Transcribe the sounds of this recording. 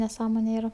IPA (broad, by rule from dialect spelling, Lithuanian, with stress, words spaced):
nʲɛˈsɑːmoːnʲɛ ˈiːrɐ